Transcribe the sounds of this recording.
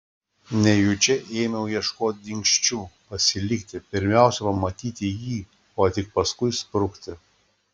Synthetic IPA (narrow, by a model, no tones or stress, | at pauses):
nʲɛjʊt͡ʃʲɛʔeːmʲɛʊjiɛʃkoːt̪̚ʲd̪ʲɪŋʲkʃʲt͡ʃʲuːpɐsʲɪlʲɪkt̪ʲɪpʲɪɾʲmʲɛˑʊsʲɛpɐmɐt̪ʲiːt̪ʲɪjiː | oːt̪ʲɪk̚pɐskʊɪspɾʊkt̪ʲɪ